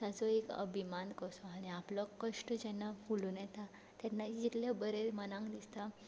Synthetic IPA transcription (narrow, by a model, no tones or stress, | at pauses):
t̪at͡sɔekə̰bʱimankəsɔaɽ̃iaplɔkəʂʈəd͡ʑɛnːafulunjɛt̪a | t̪jɛnːad͡ʑit̪lebəɾeɾmənãŋkd̪ist̪a